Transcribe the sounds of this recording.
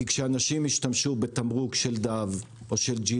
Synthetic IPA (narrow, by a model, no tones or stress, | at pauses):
ikʃeanaʃimiʃtamʃube̞t̪amʁukʃe̞ld̪av | ʔo̞ʃeld͡ʒi